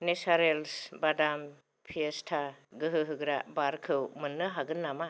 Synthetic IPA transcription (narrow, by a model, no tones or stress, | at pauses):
nesaɾelsbadam | pʰiestʰaɡɯɦɯɦɯɡɾabaɾkʰɯwmɯnːɯɦaɡɯnːama